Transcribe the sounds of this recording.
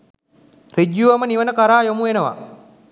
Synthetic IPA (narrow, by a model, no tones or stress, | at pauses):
rid͡ʒjuʋaməniʋənəkaɾaːjomuenəʋa̰